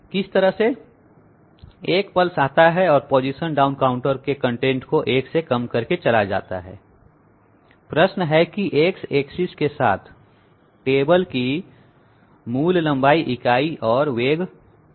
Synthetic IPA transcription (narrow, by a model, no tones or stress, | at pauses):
kɪst̪ɐɾəɦse | eːkpɐlsaːt̪aɦɛɔːɾpɔːd͡ʒiʃənɖaːʊ̃nkaːʊ̃ɳʈəɾkekɐ̃ɳʈẽːɳʈkoʔeːksekɐmkɐɾket͡ʃɐlad͡ʒa̰ːt̪a̰ɦɛ̰ː | pɾəʃnɦɛkiʔeːkseːksɪskesa̰ːt̪ʰ | ʈeːbəlki | muːllɐ̃mbaːiʔɪkaːiʔɔːɾʋeːɡ